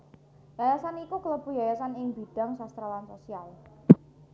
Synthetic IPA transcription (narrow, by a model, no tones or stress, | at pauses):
jajasanikukələbujajasanɪŋbi̤ɖ̥a̤ŋsast̪ɾalansosial